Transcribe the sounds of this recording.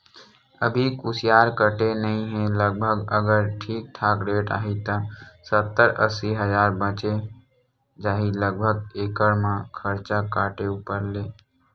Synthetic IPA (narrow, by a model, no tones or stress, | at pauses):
əbʱikusijaɾkəʈenəĩɦẽləɡ̚bʱəɡəɡəɾʈʰiːk̚ʈ̪ʰaːkɾeʈa̰ːɦit̪ə̃sət̪ːəɾə̰siɦəd͡ʒaːɾbət͡ʃe | d͡ʒaːɦiləɡ̚bʱəɡekəɾmãkʰəɾt͡ʃakaːʈeupəɾle